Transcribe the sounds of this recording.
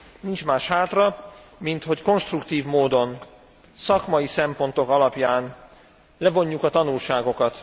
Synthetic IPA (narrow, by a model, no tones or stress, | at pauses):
nint͡ʃmaːʃhaːt̪rɒ | mint̪ho̞cko̞nʃt̪rukt̪iːvmoːd̪o̞n | sɒkmɒjisɛmpo̞nt̪o̞kɒlɒpjaːn | lɛvo̞ɲːukɒt̪ɒnulʃaːɡo̞kɒt̪